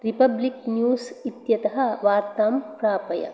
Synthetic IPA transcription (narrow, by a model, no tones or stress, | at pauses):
ɾipɐbliknjuːsit̪jɐt̪ɐɦɐ̆ʋaːɾt̪aːmpɾaːpɐjɐ̰